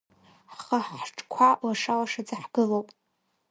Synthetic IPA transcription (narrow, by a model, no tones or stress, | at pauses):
ħχəħħʈ͡ʂʼkʷʰalaʂalaʂad͡zaħɡ̥ɨlowpʼ